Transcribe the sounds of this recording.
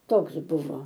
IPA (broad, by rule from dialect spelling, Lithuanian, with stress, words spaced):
ˈtoːks ˈbʊʋoː